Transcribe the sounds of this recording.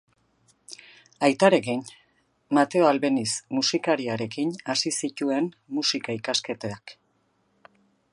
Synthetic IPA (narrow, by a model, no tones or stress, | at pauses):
ajt̪aɾe̞kin | mat̪e̞oalβe̞nismusikaɾiaɾe̞kinasisit̪ue̞n | musikaikaske̞t̪eak